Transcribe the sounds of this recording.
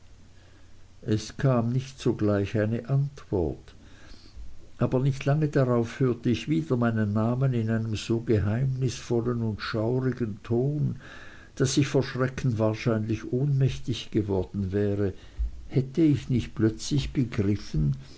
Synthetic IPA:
ʔɛskʰaːmnɪçtsoːɡlaɪçaɪnəʔantv̥ɔ̰ɐt | ʔaːbɐnɪçtlaŋədaʁaʊfhøːɐtəɪçv̥iːdɐmaɪnənːaːmənɪnaɪnəmz̥oːɡəɦaɪmnɪsfɔlənʊntʃaʊʁɪɡəntʰoːn | d̥asɪçfoːɐʃʁ̥ɛkn̩vaːɐʃaɪnlɪçʔoːnmɛçtɪçɡ̥əvɔɐdn̩vɛːʁə | hɛtəɪçnɪçt̚plœt͡slɪçb̥əɡʁɪfn̩

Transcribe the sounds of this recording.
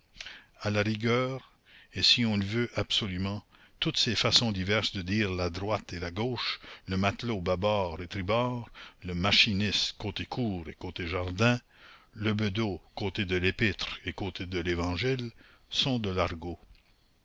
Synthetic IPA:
alaʁiɡœːʁ | esiɔ̃ləvøʔab̥sɔlymɑ̃ | t̪ut̪sefasɔ̃d̪ivɛʁsd̪əd̪iːʁlad̪ɾwat̪elaɡoːʃləmat̪lobabɔːʁet̪ɾibɔːʁləmaʃinɪst̪koːt̪ekʰuːʁekoːt̪eʒaʁd̪ɛ̃ | ləbəd̪okoːt̪ed̪əlepɪt̪ɾekoːt̪ʰed̪əlevɑ̃ʒil | sɔ̃d̪əlaʁɡo

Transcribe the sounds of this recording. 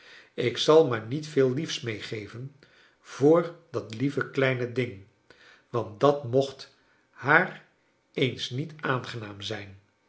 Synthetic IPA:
ɪksɑlˠmaːɹnitfɪːlˠlifsmejχejvən | v̥ʊːɹdɑtlivəklɛjnədɪŋ | ʋɑnt̚dɑtmɔχt | haːr | ejnsnitaːnχənaːmzɛjn

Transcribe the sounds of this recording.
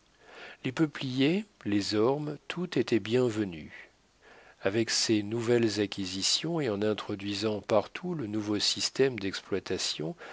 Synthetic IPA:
lepəplijelezɔʁmt̪ʰut̪et̪ɛbjɛ̃vəny̰ | avɛksenuvɛlzakʲizisjɔ̃eɑ̃nɛ̃t̪χɔd̪ɥizɑ̃paʁt̪ʰulənuvosist̪ɛmd̪ɛksplwat̪asjɔ̃

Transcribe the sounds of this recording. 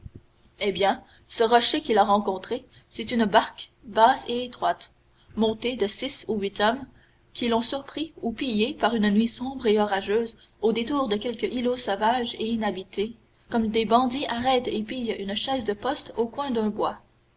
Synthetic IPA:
ebjɛ̃ | səʁɔʃekʲilaʁɑ̃kɔ̃t̪χesɛt̪ynbaʁkbaːseːt̪χwat̪ | mɔ̃t̪ed̪əsisuɥit̪ɔm | kʲʰilɔ̃syʁpχiupijepaʁynnɥisɔ̃bʁeɔʁaʒøːz | od̪et̪uːʁd̪əkʲɛlkəʔilosɔvaʒeinabit̪ʰe | kɔmd̪ebɑ̃d̪iʔaʁɛt̪epijynʃɛːzd̪əpɔst̪okwɛ̃d̪œ̃bwa

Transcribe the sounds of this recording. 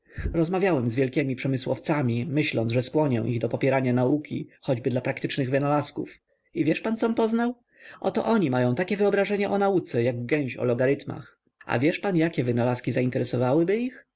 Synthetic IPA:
ɾɔzmavʲjawɛmzvʲjɛlkʲɛmʲipʂɛmɘswɔ̰ft̪samʲimɘɕlɔnzʐɛskwɔɲɛ̰w̃ʔiɣd̪ɔpɔpʲjɛɾaɲanaukʲḭxɔd͡ʑbɘd̪lapɾakt̪ɘt͡ʂnɘɣvɘnalaskṵf | ivʲjɛʂpant̪sɔmpɔznaw | ʔɔt̪ɔ̰ʔɔɲimajɔ̃w̃t̪akʲɛvɘɔbɾaʐɛɲaʔɔnaut̪sɛjaɡɡɛ̃w̃ɕɔ̰lɔɡaɾɘt̪ma̰x | a̰vʲjɛʂpanjakʲɛvɘnalaskʲizaint̪ɛɾɛsɔvawɘbɘix

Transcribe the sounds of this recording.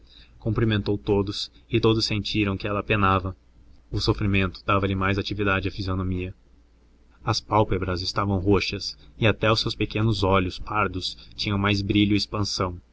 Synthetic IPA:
kõmplimẽnt̪owt̪od̪ʊsɪt̪od̪ʊsːẽnt͡ʃiɾɐ̃w̃kɪɛlɐpenavɐ | ʊsofɾimẽnt̪ʊ̥d̪avɐlɪmajzat͡ʃivid̪ad͡ʒɪɐfizionomiɐ | ɐspawpebɾɐzɪst̪avɐ̃w̃ɦoʃɐsɪat̪ɛʊsːewspekẽnʊzɔʎʊspaɾd̪ʊst͡ʃĩɲɐ̃w̃majzbɾiʎʊɪspɐ̃sɐ̃w̃

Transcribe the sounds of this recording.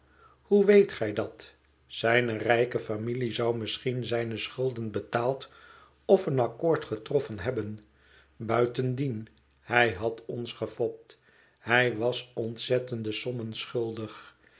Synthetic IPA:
huʋejtχɛjdɑt | sɛjnərɛjkəfamilizɑwmɪsχinzɛjnəsχɵlˠdənbətaːlˠt | ɔfənɑkoːɹtχətrɔfənɦɛbən | bœɥtəndin | hɛjɦɑtɔnsχəfɔp̚t | ɦɛjʋɑsɔntsɛtəndəsɔmənsχɵlˠdəχ

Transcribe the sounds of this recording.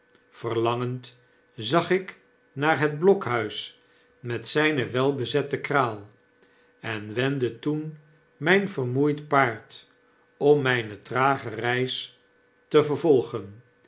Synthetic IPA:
fərlɑŋənt | zɑχɪk | naːɹɦɛd̚blɔkɦœɥs | mɛtsɛjnəʋɛlˠbəzɛtəkraːlˠ | ɛnʋɛndətun | mɛjnvərmujtpaːɹt | ɔmːɛjnətraːχərɛjs | təvəɹvɔlˠχən

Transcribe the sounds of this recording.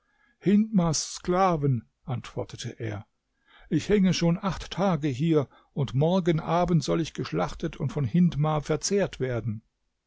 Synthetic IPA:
hɪntmaːsːklaːvən | ʔantv̥ɔɐtətʰəʔeːɐ | ʔɪçhɛŋəʃoːnʔaχtːʰaːɡəɦiːɐ | ʔʊntmɔɐɡənʔaːbən̩tz̥ɔlɪçɡ̥əʃlaχtətʰʊntfɔnhɪntmaːfɛɐt͡seːɐtv̥eːɐdn̩

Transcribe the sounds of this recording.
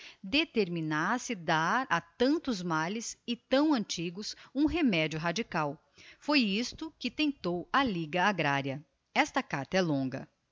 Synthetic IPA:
d̪et̪eɾminasɪd̪aɾɐt̪ɐ̃nt̪ʊzmalɪsɪt̪ɐ̃w̃ɐ̃nt͡ʃiɡʊsũɦemɛd͡ʒjʊɦad͡ʒikaw | fojist̪ʊkɪt̪ẽnt̪owɐliɡɐaɡɾaɾjɐ | ɛst̪ɐkaɾt̪ɐɛlõɡɐ̰

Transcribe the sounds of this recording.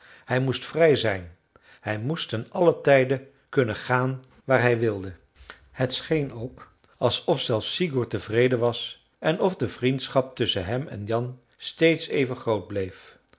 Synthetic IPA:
hɛjmustfrɛjzɛjn | hɛjmustənɑlətɛjdə | kɵnəχaːn | ʋaːɹɦɛjʋɪlˠdə | hətsχejnowk | ɑlˠsɔfsɛlˠfsiɡuɹtəvrejdəʋɑs | ʔɛnɔfdəvrintsχɑp̚tʏsənɦɛmɛ̰njɑn | stejtsejvənχrowd̚blejf

